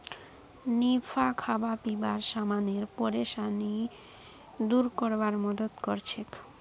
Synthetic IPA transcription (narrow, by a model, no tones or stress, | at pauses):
nifakʰabapibaɾʃamaneɾpoɾeʃani | d̪uɾkoɾbaɾmɔd̪od̪koɾt͡ɕʰek